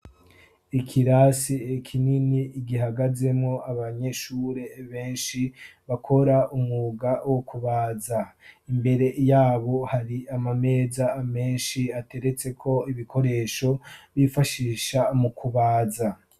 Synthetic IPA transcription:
ikʰiɾasiekʰininiːɡiɦaɡaze̞mŋo̞aβaɲe̞ʃuːɾe̞βe̞ːnʃiβakʰo̞ɾaumŋuɡawokuβaːzaimbe̞ɾe̞jaːβo̞haɾiamame̞ːzaːme̞ːnʃiate̞ɾe̞t͡se̞kʰo̞iβikʰo̞ɾe̞ːʃo̞βifaʃiːʃamukuβaːza

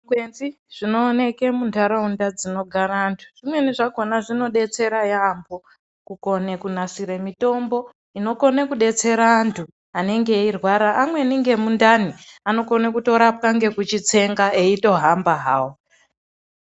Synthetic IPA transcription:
ɡwenzi | ʐ̥ino̞ːne̞ke̞mundʱaɾaundad͡zino̞ɡʱaɾaːntʰu̥ʐ̥imwe̞niʐaɡonaʐino̞ɗe̞t͡se̞ɾajambo̞ | kuko̞nekunasiɾemito̞mbo̞ | ino̞ko̞nekuɗe̞t͡se̞ɾaːntʰu | ane̞ŋɡeirwaɾaʔːmwe̞niŋɡe̞mundaniano̞ko̞nekuto̞ɾap̚kaŋɡe̞kut͡ʃit͡se̞ŋɡaeito̞ɦambaɦaːwo

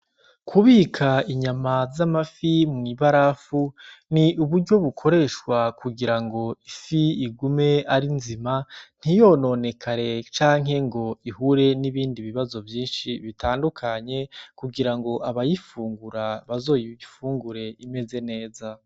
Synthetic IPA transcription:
kʰuβiːkʰaiɲamazamafimŋiβaɾafuniʔuβuɾɟo̞βukʰo̞ɾe̞ʃkwakʰuɡiɾaŋɡo̞ifiːɡume̞aɾinziman̥ijo̞no̞ne̞kʰaɾe̞t͡ʃaːŋ̥ɦe̞ŋɡo̞ihuɾe̞niβiːndiβiβazo̞vjiːnʃiβitaːndukʰaɲe̞kuɡiɾaŋɡo̞ʔaβajifuːŋɡuɾaβazo̞ːjiifuːŋɡuɾe̞ime̞ze̞ne̞ːza

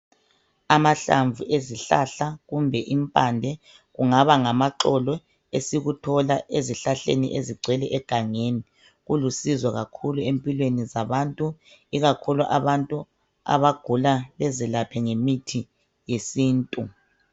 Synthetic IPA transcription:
amaɬa̰ɱvʱuʔeziɬa̰ɬaɣumbʱɛʔimpʼandʱɛ | ɣuŋaβaŋamaǁɔlɔ | esiɣutʰɔlaʔeziɬaɬḛnḭʔeziɡ͡ǀʱwɛlɛʔɛɡ̥ʱaŋeni | ɣulusizwɔɣakʰuluempʼilwenizaβantʼu | iɣakʰuluʔaβantʼu | a̰βaɡ̥ʱulalɛzilapʰɛŋemitʰi | jesiːntʼu

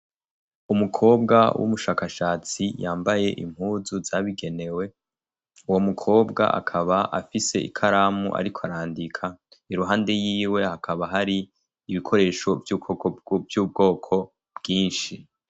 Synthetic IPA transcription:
umukʰo̞ːb̚ɡawʔṵmuʃaːkaʃaːt͡sijaːmbaje̞ʔḭm̥huːzuzaβiɡe̞ne̞we̞ | uwo̞mukʰo̞ːbɡa̰ʔa̰kʰaβaʔa̰fise̞̰ḭkʰaɾaːmuʔa̰ɾikʰoaɾaːndikʰaiɾuɦaːnde̞jiːwe̞hakʰaβaɦaɾiː | βikʰo̞ɾe̞ːʃo̞vjukokobjuːb̚ɡo̞ːkʰo̞ | bɡiːnʃi

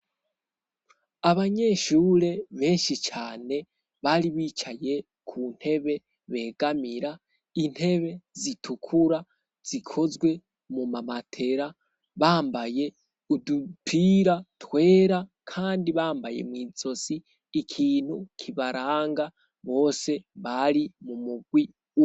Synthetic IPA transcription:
aβaɲe̞ʃuːɾe̞βe̞ːnʃit͡ʃaːne̞ | βaɾiβiːt͡ʃaje̞ | kʰun̥he̞βe̞ | βe̞ːɡ̥amiɾa | in̥he̞βe̞zitʰukʰuɾa | z̥ikʰo̞zɡwe̞ | mumamatʰe̞ɾa | βaːmbaje̞ | udutʰiːɾatwe̞ːɾa | kʰaːndiβaːmbaje̞̰mwiːzo̞siː | kʰiːn̥hukʰiβaɾaːŋɡa | βo̞ːse̞βaɾimumuɡwi

